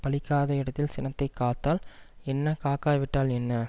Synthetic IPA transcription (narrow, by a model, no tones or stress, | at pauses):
pɐlɪkːaːðɐjɪɽɐt̪ːɪlsɪnɐt̪ːɐɪkːaːt̪ːaːlɛnːɐkaːkaːʋɪʈːaːlɛnːɐ